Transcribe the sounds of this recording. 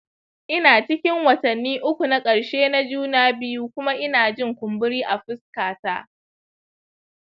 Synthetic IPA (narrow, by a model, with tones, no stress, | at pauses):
ʔɪ˦naː˨t͡ʃɪ˦kʲɪ˦ŋwɐ˨tɐ˨nːiː˦ʔʊ˦kʷu˨na˦kʼɐ˨ɽʃeː˦na˦d͡ʒuː˦naː˦bɪ˦ju˦kʷʊ˦ma˦ʔɪ˦naː˨d͡ʒɪ˦˨ŋkʷʊ˨mbɪ˦ɽiː˦ʔa˨ɸɪ˦skaː˨taː˦